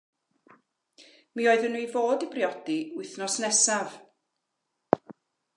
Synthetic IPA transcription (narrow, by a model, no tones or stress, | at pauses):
mioːɨðənːuijvoːdibrjɔd̥iʊɨθnɔsnɛsav̥